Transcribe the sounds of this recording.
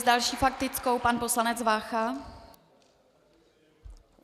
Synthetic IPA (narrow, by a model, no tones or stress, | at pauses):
zdalʃiːfak̚t̪ɪt͡sko̞wpanpo̞slanɛd͡zvaːxa